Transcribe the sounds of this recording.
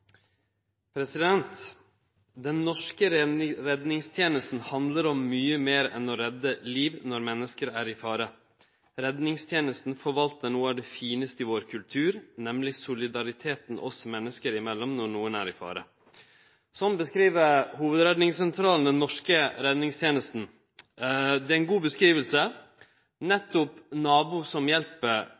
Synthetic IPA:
pʰɾɛsɪd̪ɛnt̪ | d̪ɛnːɔʂkəɾɛd̪nɪŋst̪ʰjeːnəst̪n̩hɑnd̪ləɾɔmːyːəmeːɾɛ̰nɔɾɛd̪ːəliːʋnɔɾmɛnːəskəɾæːɾɪfɑːɾə | ɾɛd̪nɪŋst̪ʰjeːnəst̪n̩fɔɾʋɑlt̪əɳuːɑɖ̪ɛːfiːnəst̪əɪʋoːɾkʰʉlt̪ʰʉːɾnɛmlɪsʊlɪd̪ɑɾɪt̪ʰeːt̪nʔɔ̰smɛnːəskəɾɪmɛlːɔmnɔɳuːənæ̰ɾɪfɑ̰ːɾə̰ | sɔnbəskɾiːʋəɾhuːʋəd̪ɾɛd̪nɪŋsɛnt̪ʰɾɑːln̩d̪ɛnːɔʂkəɾɛd̪nɪŋst̪ʰjeːnəst̪n̩ | d̪ɛæɪnɡuːbəskɾiːʋəlsə | nɛt̪ːɔpnɑːbuːsɔmjɛlpəɾ

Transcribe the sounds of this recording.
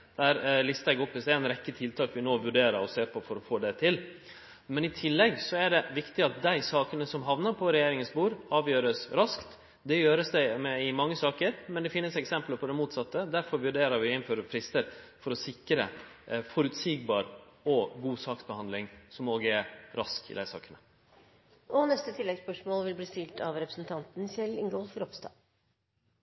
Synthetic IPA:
d̪̥æɾlɪst̪ɑɛɡɔpːɪsd̪ɛɛnɾɛkːət̪ʰɪlt̪ʰɑːkʋɪnoːʋʉɖeːɾəɾɔseːɾpʰɔfɔɾɔfoːd̪ɛt̪ʰɪl | mɛnɪt̪ʰɪlːɛɡsɔæɖɛʋɪkt̪ɪɑt̪̚d̪æɪsɑːkənəsɔmɦɑʋnəɾpʰɔɾɛjeːɾɪŋənsbuːɾɑːʋjøːɾəsɾɑskt̪ | d̪ɛjøːɾəsd̪ɛɪmɛɪmɑŋːəsɑːkəɾmɛnd̪ɛfɪnːəsɛksɛmpləpʰɔd̪ɛmuːt̪sɑt̪ːəd̪æɾfɔɾʋʉɖeːɾɑɾʋɪɪnføːɾəfɾɪst̪əɾfɔɾɔsɪkːɾə̰fɔɾʉt̪siːɡbɑːɾɔɡuːsɑːksbəhɑnd̪lɪŋsɔmoːɡəɛɾɾɑskɪ̰d̪æɪsɑ̰ːkənə | ɔnɛst̪ət̪ʰɪlːɛɡspœʂmoːlʋɪlbliːst̪ɪlt̪ʰɑʋɾɛpɾəsnt̪ʰɑnt̪n̩sɛlːɪŋɡɔlfɾɔpst̪ɑ̰ː

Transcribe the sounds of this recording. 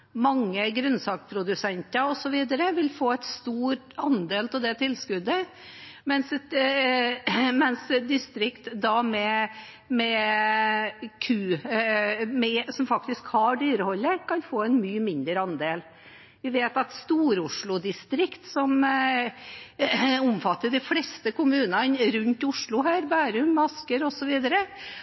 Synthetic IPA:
mɑŋːəɡɾʉnsɑːkpʰɾʊd̪ʉsɛnt̪əɾɔsɔʋiːd̪əɾəʋɪlfoːɛɪt̪st̪uːɾ | ɑnd̪eːlt̪ʰɛd̪ɛt̪ʰɪlːskʉd̪ːə | mɛns | mɛnsd̪ɪst̪ɾɪkt̪d̪ɑmɛ | mɛ | kʰʉː | mɛsɔmfɑk̚t̪ɪskhɑɖyːɾəhɔlːəɾkʰɑnfoːɛnmyːəmɪnd̪ɾəɑnd̪eːl | ʋɪʋeːt̪ɑt̪st̪uːɾʊʂɭʊd̪ɪst̪ɾɪkt̪sɔm | ʊmfɑt̪ːəɖɛɪflɛst̪əkʊmʉːnɑnɾʉnt̪ʊʂɭʊɦæːɾbæːɾʉmːɑskəɾɔsɔʋiːd̪əɾə

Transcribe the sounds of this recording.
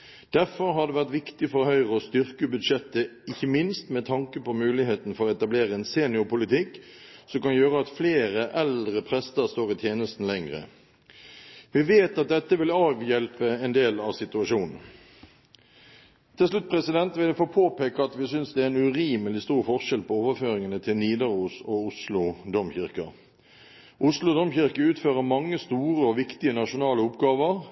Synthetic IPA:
d̪̥æʁfɔɾɦɑʁd̪ɛːʋæʁt̪ʋɪkt̪ɪfɔʁhœʏʁəɔst̪ʏʁkəbʉd̪ʂɛt̪ːəɪçːəmɪnst̪mɛt̪ʰɑŋkəpɔmʉːlɪheːt̪n̩fɔʁɔɛt̪ɑbleːɾəɛnseːnɪʊpʊlɪt̪ɪkː | sɔmkɑnjøːɾəɑt̪fleːɾəʔɛld̪ʁəpʰʁɛst̪əɾst̪oːʁɪt̪ʰjeːnəst̪n̩lɛŋʁə̰ | ʋɪʋeːt̪ɑt̪̚d̪ɛt̪ːəʋɪlɑːʋjɛlpəɛnd̪eːlɑʋsɪt̪ʉɑʂuːnn̩ | t̪ʰɪlslʉt̪̚ːpʰʁɛsɪd̪ɛnt̪ʋɪlɛfoːpʰoːpeːkəɑt̪ʋɪsʏnsd̪ɛæɾɛnʉʁiːməlɪst̪uːʁfɔʁʂɛlpʰɔoːʋəføːʁɪŋənət̪ʰɪlniːd̪ɑʁuːsɔʊslʊd̪ɔmçɪʁkɑ | ʔʊslʊd̪ɔmçɪʁkəʉːt̪føːʁəmɑŋːəst̪uːʁəɔʋɪkt̪ɪənɑʂʊnɑːləʊpɡɑːʋəʁ

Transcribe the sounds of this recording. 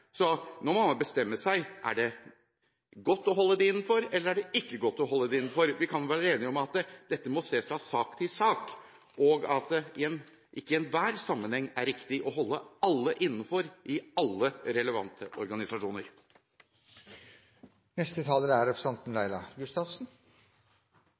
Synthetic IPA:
sɔnɔɾmɑŋːɑbəst̪ɛmːəsæɪʔæ̰ɖɛ | ɡɔt̪ːɔɦɔlːəd̪ɛɪnːn̩fɔɾɛlːəɾæɖɛɪkːəɡɔt̪ːɔɦɔlːəd̪ɛɪnn̩fɔɾʋɪkʰɑnjʊʋæːɾəeːnɪɔmɑt̪d̪̥ɛt̪ːəmɔseːfɾɑsɑːkt̪ʰɪlsɑːk | ɔːɡɑt̪̚dɪɛn | ʔɪkːəɪɛnʋæːɾsɑmːənhɛŋːæɾɪkt̪ɪʔɔɦɔlːəɑlːəʔɪnːəfɔɾʔɪɑlːəɾɛləʋɑ̰nt̪ʰəʔɔɾɡɑnɪsɑʂuːnəɾ | nɛst̪ət̪ʰɑːləɾæɾɛpɾəsɑnt̪n̩læɪlɑ̰ɡʉst̪ɑsn̩

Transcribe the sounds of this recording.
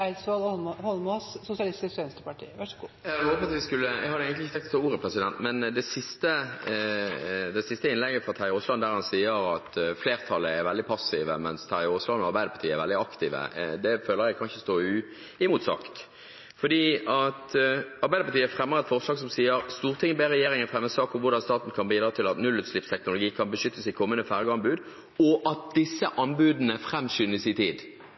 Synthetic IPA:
ɛlsʋɑlhɔlmɔssʊsɪɑlɪst̪ɪskɛnst̪əpɑʈʰḭːəʋæʂɡujæhoːpət̪ʋɪskʉlːəjæ̰ɡhɑd̪əɛɡənlɪçət̪ʰɛŋkt̪ːɔt̪ʰoːuːɾəpʰʁɛsɪd̪ɛnt̪mɛnd̪ɛsɪst̪ə | d̪ɛsɪst̪əɪnlɛɡəfʁɑt̪ʰæɾɪʊslɑnd̪æːɾhɑnsiːəɾɑt̪fleːʁt̪ʰɑlːəɛɾʋɛld̪ɪpʰɑsːɪʋəmɛnst̪ʰæɾɪɔslɑnɔɑʁbæɪd̪əpɑt̪ʰiːəɛɾʋɛld̪ɪɑkt̪iːʋə̰d̪ɛføːləʁjæɪkʰɑnçəst̪oːʉ | ɪmuːt̪sɑ̰kt̪ | fɔd̪iːɑt̪ɑɾbæɪd̪əpɑt̪iːəfʁɛmːəʁɛt̪fɔʁslɑːɡsɔmsiːəɾst̪uːʁt̪ʰɪŋənbeːʁɛjeːʁɪŋənfʁɛmːəsɑːkɔʋʊʁd̪ɑnst̪ɑːt̪n̩kʰɑnbiːd̪ɾɑːt̪ʰɪlɑt̪nʉlːʉːt̪slɪpst̪ʰɛknʊlʊɡiːkʰɑnbəʃʏt̪ːəsɪkʰɔmːənəfæʁɡɑnbʉːd̪ | ɔʔɑt̪̚d̪ɪsːəʔɑnbʉːd̪nəfɾɛmsʏnəsɪt̪ʰiːd̪

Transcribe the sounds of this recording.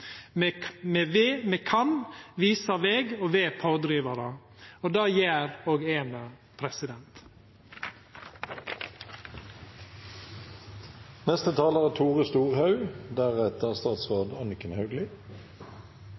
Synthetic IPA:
mmeʋemekʰɑnʋiːsəʋeːɡoːʋeːpʰoːd̪ɾiːʋəɾə | oːd̪ɑːjeːɾoːɡeːnə | pʰɾɛsɪd̪ɛnt̪ | nɛst̪ət̪ʰɑːləʁæːt̪ʰuːʁəst̪uːʁhɑʉd̪æʁɛt̪əʁst̪ɑːt̪sʁoːd̪ɑnɪkənhɑʉɡ̪lɪ

